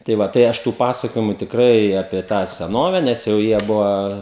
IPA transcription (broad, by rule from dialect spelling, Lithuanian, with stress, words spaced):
tɐɪ ˈʋɐ tɐɪ ˈɐʃ tuː ˈpɑːsɐkoːjɪmʊ tʲɪkˈrɐɪ ˈɑːpʲiɛ tɑː sʲɛˈnoːʋʲɛ nʲɛs jɛʊ ˈjiɛ ˈbʊʋɐ